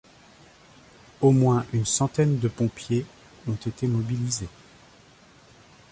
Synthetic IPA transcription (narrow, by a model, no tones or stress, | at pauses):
omwɛ̃ʔynsɑ̃t̪ɛnd̪əpɔ̃pje | ɔ̃t̪et̪emɔbilize